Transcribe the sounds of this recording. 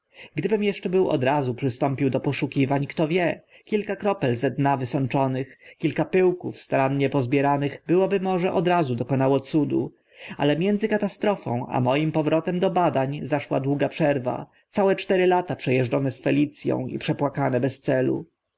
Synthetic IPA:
ɡd̪ɘbɘmjɛʂt͡ʂɛbɘwɔ̰d̪ɾazupʂɘst̪ɔmpʲiwd̪ɔpɔʂukʲivaɲkt̪ɔvʲjɛ | kʲilkakɾɔpɛlzɛd̪navɘsɔnt͡ʂɔnɘxkʲilkapɘwkufst̪aɾanɲɛpɔzbʲjɛɾanɘɣbɘwɔbɘmɔʐɛʔɔd̪ɾazud̪ɔkɔnawɔt̪sud̪ṵ | a̰lɛmʲjɛnd̪zɘkat̪ast̪ɾɔfɔ̰̃w̃a̰mɔjimpɔvɾɔt̪ɛmd̪ɔbad̪aɲzaʂwa̰d̪wuɡapʂɛɾva̰ | t̪sawɛt͡ʂt̪ɛɾɘlat̪apʂɛjɛʐɖɔnɛsfɛlʲit̪sʲjɔ̰̃w̃ḭpʂɛpwakanɛbɛst̪sɛlṵ

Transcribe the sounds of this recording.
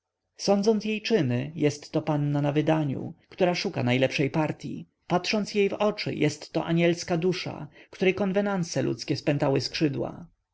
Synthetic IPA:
sɔnd̪zɔnt̪sjejt͡ʂɘnɘjɛst̪ːɔpanːanavɘd̪aɲṵkt̪uɾaʂuka̰najlɛpʂɛjpaɾt̪ʲjḭ | pat̪ʂɔnt̪sjejvɔt͡ʂɘ̰jɛst̪ːɔ̰ʔaɲɛlskad̪uʂa̰kt̪uɾɛjkɔnvɛnant̪sɛlṵt̪skʲɛspɛnt̪awɘskʂɘd̪wa̰

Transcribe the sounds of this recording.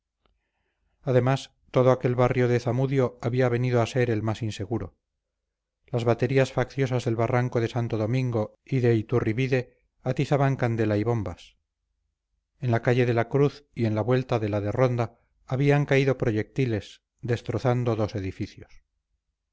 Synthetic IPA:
aðe̞mas | t̪o̞ðoake̞lβarjo̞ðe̞θamuðjo̞aβiaβe̞niðoase̞ɾe̞lmasinse̞ɣuɾo̞̰ | lazβat̪e̞ɾiasfakθjo̞sazðe̞lβaraŋko̞ðe̞sant̪oðo̞mĩŋɡo̞ | iðe̞it̪uriβiðe̞ | at̪iθaβaŋkand̪e̞laiβo̞mbas | enlakaʝe̞ðe̞lakɾuθie̞nlaβwe̞lt̪aðe̞laðe̞ro̞nd̪aː | βiaŋkaiðo̞pɾoʝe̞k̚t̪ile̞s | d̪e̞st̪ɾo̞θand̪o̞ðo̞se̞ðifiθjos

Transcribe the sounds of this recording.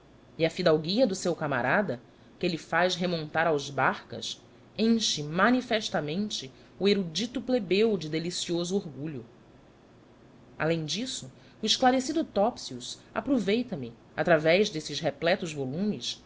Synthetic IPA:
iɐfid̪awɡiɐd̪ʊsewkama̰ɾad̪ɐ | kelɪfajzɦemõnt̪aɾawzbaχkɐ̰s | ẽʃɪmɐnifɛʃt̪amẽnt͡ʃɪ | ueɾud͡ʒit̪ʊplebewd͡ʒɪd̪elisiozʊoɾɡuʎʊ | a̰lẽj̃d͡ʒisʊ | ʊiʃklaɾesid̪ʊt̪ɔpsiusa̰pɾovejt̪ɐmɪ | at̪ɾavɛjʒd̪esɪʃɦeplɛt̪ʊzvolũmɪs

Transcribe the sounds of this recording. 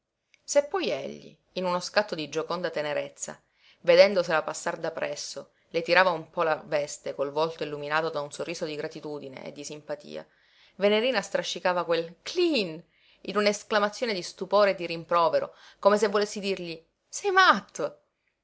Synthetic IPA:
sepːɔjeʎːḭːnunoskat̪ːod̪id͡ʒokond̪at̪eneɾet̪sːa̰ | ved̪ɛnd̪oselapasːard̪apɾʔɛsːo | let̪iɾaːvaumpɔlavɛst̪ekolvɔlt̪oilːuminaːt̪od̪aunsorːiːsod̪iɡɾat̪it̪uːd̪inḛḛd̪ːisimpat̪ḭːa̰ | veneɾiːnast̪ɾaʃːikaːvakwelklin | inunaesklamat̪sːjoːned̪ist̪upoːɾed̪ːiɾimpɾɔːveɾo̰ | komes̬evːolesːid̪irʎi | sɛjmat̪ʰːo

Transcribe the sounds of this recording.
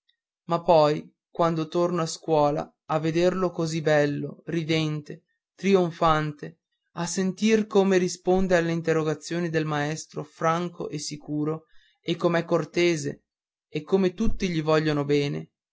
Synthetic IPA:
mapːɔj | kwand̪ot̪ornoaskwɔːla̰ | avːed̪erlokozibɛlːorid̪ɛnt̪e | t̪ɾioɱfant̪e | asːent̪irkomeɾispond̪ealːeint̪erːoɡat̪sːjoːnid̪elmaɛst̪ɾofɾaŋko̰ʔesːikuːɾo | ekːomeɛkːort̪eːzḛː | kːomet̪ut̪ːiʎivɔʎːonobɛːnḛ

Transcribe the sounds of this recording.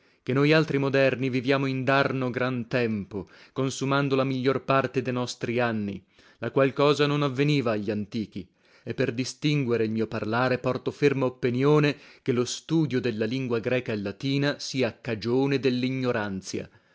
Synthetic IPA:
kenːojalt̪ɾimod̪ɛrnivivjaːmoind̪arnoɡɾant̪ɛmpo | konsumand̪olamiʎːorpart̪ed̪ejnɔst̪ɾianːḭ | lakwalkɔːzanonavːeniːvaːʎːant̪iːk̟i | epːerd̪ist̪iŋɡweɾeilmiːoparlaːɾepɔrt̪ofermaopːinjoːnekelost̪uːd̪jod̪elːaliŋɡwaɡɾɛːkaelːat̪iːnasiːakːad͡ʒoːned̪elːiɲːoɾant̪sja̰

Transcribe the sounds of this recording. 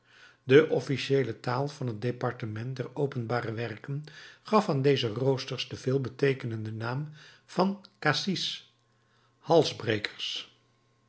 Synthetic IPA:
dəʔɔfiʃejlətaːlˠv̥ɑnɦəd̚depɑɹtəmɛnt̚dɛɹowpənbaːrəʋɛrkənχɑfaːndejzərowstəɹsdəv̥ɪːlˠbətejkənəndənaːm | v̥ɑnkaːsis | hɑlˠzbrejkʰə̥ɹs

